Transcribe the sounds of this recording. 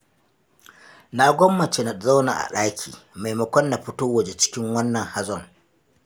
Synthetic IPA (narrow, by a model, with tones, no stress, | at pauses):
na˦ɡʷɔ˦mːɐ˨t͡ʃe˦na˨za˦wna̰˨ʔa̰˨ɗaː˦kʲʰḭː˨ma˨jmɐ˨kʷɔ˦nːa˨ɸʊ˦toː˦wɐ˨d͡ʒe˦t͡ʃɪ̥˦kʲɪ˦ŋwɐ˦nːɐ˨ŋha˦zɔ˦˨ŋ